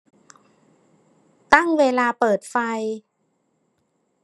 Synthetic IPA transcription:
t̪a˥˩ŋweː˧laː˧pɤː˨˩t̪̚fa˧j

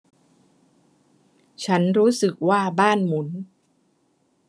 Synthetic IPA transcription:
t͡ɕʰa˦˥nɾuː˦˥sɯ˨˩k̚waː˥˩baː˥˩nmu˩˦˥n

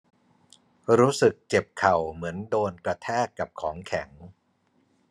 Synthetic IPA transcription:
ɾuː˦˥sɯ˨˩k̚t͡ɕe˨˩p̚kʰa˨˩wmɯ˩˦əndoː˧nkɾa˧t̪ʰɛː˥˩kːa˨˩p̚kʰɔː˩˦ŋkʰɛ˩˦ŋ

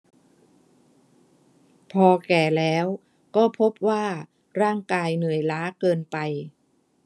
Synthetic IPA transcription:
pʰɔː˧kɛː˨˩lɛː˦˥w | kɔː˥˩pʰo˦˥p̚waː˥˩ | ɾaː˥˩ŋkaː˧jnɯ˨˩əjlaː˦˥kɤː˧npa˧j

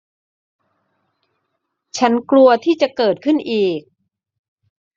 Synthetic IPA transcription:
t͡ɕʰa˦˥nklu˧ɐt̪ʰiː˥˩t͡ɕa˨˩kɤː˨˩t̪̚kʰɯ˥˩nʔiː˨˩k̚

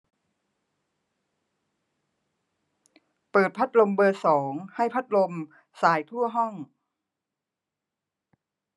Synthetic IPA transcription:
pɤː˨˩t̪̚pʰa˦˥t̪̚lo˧mbɤː˧sɔː˩˦ŋha˥˩jpʰa˦˥t̪̚lo˧m | saː˩˦jt̪ʰu˥˩ɐɦɔ˥˩ŋ

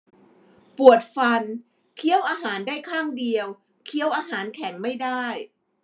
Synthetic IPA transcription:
pu˨˩ət̪̚fa˧n | kʰi˥˩əwʔaː˧ɦaː˩˦ndaː˥˩jkʰaː˥˩ŋdi˧əw | kʰi˥˩əwʔaː˧ɦaː˩˦nkʰɛ˩˦ŋma˥˩jdaː˥˩j

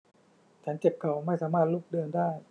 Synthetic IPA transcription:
t͡ɕʰa˧˦˥nt͡ɕe˨˩p̚kʰa˨˩wma˥˩jsaː˩˦maː˥˩t̪̚luː˥˩k̚dɤː˧ndaː˥˩j

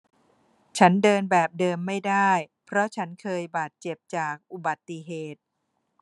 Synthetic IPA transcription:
t͡ɕʰa˦˥ndɤː˧nbɛː˨˩p̚dɤː˧mːa˥˩jdaː˥˩jpʰɾɔ˦˥t͡ɕʰa˦˥nkʰɤː˧jbaː˨˩t̪̚t͡ɕe˨˩p̚t͡ɕaː˨˩k̚ʔu˨˩ba˨˩t̪ːi˨ɦeː˨˩t̪̚

